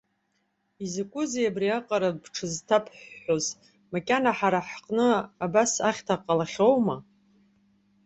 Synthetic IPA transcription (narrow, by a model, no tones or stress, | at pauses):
izakʷʼʊzejabriaqʼaɾabʈ͡ʂʰɨztʰapʰħːoz | makʲʼanaħaɾaħqʼnɨabasaχʲtʰaqʼalaχʲo̞wma